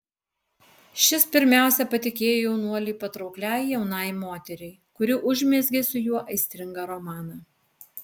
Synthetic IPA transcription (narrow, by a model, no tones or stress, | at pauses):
ʃʲɪspʲɪɾʲmʲæˑʊsʲɛpɐt̪ʲɪkʲeːjoːjɛʊnuɔlʲiːpɐt̪ɾɒʊklʲæˑɪjɛʊnɐˑɪmoːt̪ʲɛɾʲɛɪkʊɾʲɪʔʊʒʲmʲɛzʲɡʲeːsʊjuɔʔɐɪsʲt̪ʲɾʲɪŋɡɐɾɔmɑːnɐ